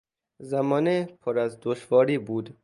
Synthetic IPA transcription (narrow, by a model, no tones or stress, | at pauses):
zæmɒːnepʰoɾæzd̪oʃvɒːɾiːbuːd̪